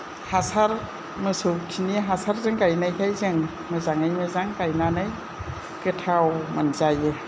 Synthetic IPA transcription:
hasaɾ | mɯsutʰiniɦasaɾzɯŋkajnajkʰajzɯŋ | mɯzaŋajmɯzaŋkajnanaj | kɯtʰawmanzajɯ

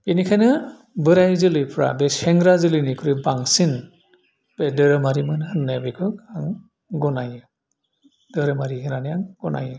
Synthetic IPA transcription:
b̥enikʰajnɯ | bɯɾajzɯlɯjpʰɾa̰beseŋɡɾazɯlɯnikʰɯɾibaŋsin | b̥edɯɾɯmaɾimɯnhɯnːɯabekʰɯkaŋ | ɡɔnajɯ | dɯɾɯmaɾiɦɯnaniaŋɡɔna̰jɯ

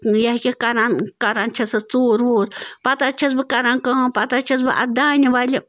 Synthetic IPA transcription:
jaɦkʲikɐɾankɐɾant͡ʃʰɐsɐt͡soːɾʋoːɾpɐt̪at͡ʃʰɐs̬bɨkɐɾankɐɦpɐt̪at͡ʃʰɐs̬bɨʔa̰d̪aːnʲiʋalʲi

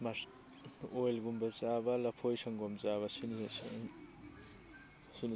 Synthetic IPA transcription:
ma | ojlɡumbazabalɐpʰojsaŋɡɔmzaβɐsini | sini

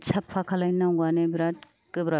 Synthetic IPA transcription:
t͡ʃʰapʰːakʰalajnawɡanebɾat̚ | kɯbɾa

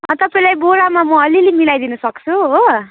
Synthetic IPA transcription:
ʌt̪ʌpaĩlajbolamamʌʌlilemilajd̪inʌsʌk̚t͡sʰuo

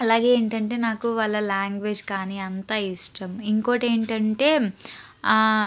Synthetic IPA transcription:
ɐlaːɡe̞ːeːɳʈɐɳʈe̞ːnaːkuʋalːɐlaːŋɡʋeːd͡ʒkaːniɐnt̪aːisʈɐmiŋko̞ːʈe̞ːɳʈɐɳʈe̞ː

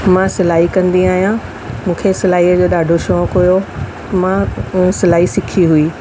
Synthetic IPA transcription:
mãsɐlaːɦikɐ̃nd̪iaːɦijã | mũːkʰesɐlaːiːəd͡ʑoːɗaːɖʱoʃõkʊjo | mãsɐlaːɦisɪkʰiɦuiː

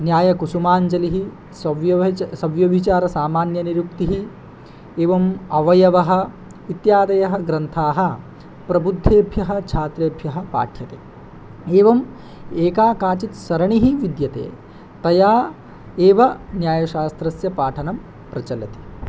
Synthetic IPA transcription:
njaːjɐkusumaːɲd͡ʒɐliɦi | sɐʋjɐsɐʋjɐʋit͡ʃaːɾɐsaːmaːnjɐniɾukt̪iɦi | eːʋɐmɐʋɐjɐʋɐɦɐ̆ | it̪jaːd̪ɐjɐɦɐɡɾɐnt̪ʰaːɦɐ̆ | pɾɐbud̪ʱːeːbʱjɐɦɐ̆t͡ʃʰaːt̪ɾeːbʱjɐɦɐ̆pa̰ːʈʰjɐt̪eː | eːʋɐm | eːkaːkaːt͡ʃit̪sɐɾɐɳiɦiʋid̪jɐt̪ḛː | t̪ɐjaː | eːʋɐnjaːjɐʃaːst̪ɾɐsjɐpaːʈʰɐnɐm | pɾɐt͡ʃɐlɐt̪i̥

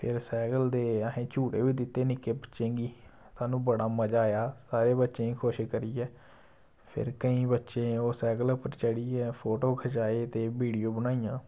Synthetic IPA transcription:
pʰɪɾsɛːɡəld̪eːəɦẽːt͡ʃuːʈeːʋiːd̪ɪt̪ːeːnɪkeːbətːʃẽːɡiː | t̪ʰaːnũːbəɽaːməd͡ʒaːjaːsaːɾeːbətːʃẽːiːkʰoʃkəɾiːɛː | pʰɪ̰ɾkəĩːbətːʃẽːoːsɛːɡələpəɾt͡ʃəɽiːɛːpʰoːʈoːkʰət͡ʃaːeːt̪eːbiːɖijoːbənaːijãː

